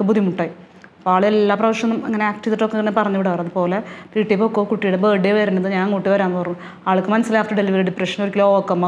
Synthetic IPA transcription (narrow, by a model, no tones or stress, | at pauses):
kːɨbʱud̪ʱimuʈːaːi | poaːɭelːaːprɐʋɐʂɐnːumɐŋːɐneaːkʈit̪ːiʈːokːeŋːɐnːepɐrɐɲːiʋiɽɨɐrɐðupo̞ːlepiʈːipːookːoːkuʈːijiɽebeːɖejʋɐɾunːɐðɨɲaːŋkuʈːiʋɐɾaːnːpɐrɐɲːu | aːɭɨkːɨmɐnɐsːilaaːfʈɐɖe̞liʋɐɾiɖiprɐʂɐnoɾikʲːilokːɐmːo